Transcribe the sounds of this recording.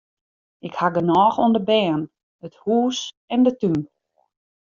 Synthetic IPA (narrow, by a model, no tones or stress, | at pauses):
ʔɪkhaɡənɔːxuəndəbɛːn | əthuːs | ɛndətyn